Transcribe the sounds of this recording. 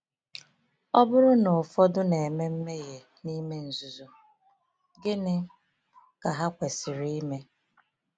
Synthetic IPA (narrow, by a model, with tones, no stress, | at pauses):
ɔ˦bʊ˦ɾʊ˦nʊ˨fɔ˦dʊ˦ne˨e˨me˦m̩˦me˦je˨ | ni˦me˦n̩˨zu˨zu˨ | ɡɪ˦nɪ˦ | ka˨ɦa˦kʷe˨sɪ˨ɾi˦i˦me˦